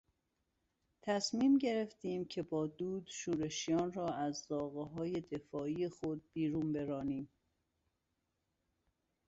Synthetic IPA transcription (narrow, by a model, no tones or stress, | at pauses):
t̪ʰæsmiːmɟe̞ɾeft̪iːmcʰe̞bɒːd̪uːd̪̥ʃuːɾe̞ʃijɒːnrɒːæzzɒːɣeɦɒːje̞d̪e̞fɒːijexod̪̚biːɾuːmbe̞ɾɒːniːm